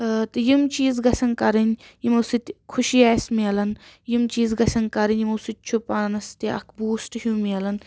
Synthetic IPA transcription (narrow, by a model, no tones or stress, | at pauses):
t̪ɨjimt͡ʃiːzɡɐsʲɐnkɐɾɐnʲjimɐwsit̪ʲkʰuʃijaːsʲmiɐlɐnjimt͡ʃiːzɡɐsɐnkɐɾɐnʲjimɐwsit̪̚ʲt͡ʃʰupaːnɐst̪iʔɐ̰kʰbuːsʈhumiɐlɐn